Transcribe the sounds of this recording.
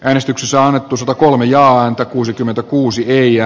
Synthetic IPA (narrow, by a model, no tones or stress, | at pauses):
ʔæːnest̪yksesːænɑnːet̪ːusɑt̪ɑkolmejɑːænt̪ækuːsikymːent̪ækuːsieiæ